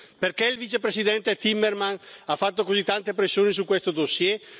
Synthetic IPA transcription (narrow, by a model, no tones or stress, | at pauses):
perkɛilvit͡ʃepɾesid̪ɛnt̪et̪imːermanafːat̪ːokozit̪ːant̪ep̬ɾesːjoːnis̬ukwest̪od̪osjɛ